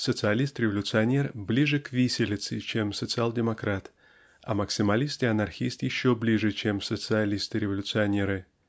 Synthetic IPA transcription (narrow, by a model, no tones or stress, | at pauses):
sət̪sɨɐlʲist̪ɾʲɪvəlʲʊt̪sɨɐnʲerblʲiʐɨkvʲisʲɪlʲɪt̪sɨt͡ɕe̞msət̪sɨalˠdʲɪmɐkɾat̪ | ɐ̰məksʲɪmɐlʲist̪ɪɐnɐrxʲist̪jɪɕːoblʲiʐɨt͡ɕe̞msət̪sɨɐlʲist̪ɨɾʲɪvəlʲʊt̪sɨɐnʲe̞ɾɨ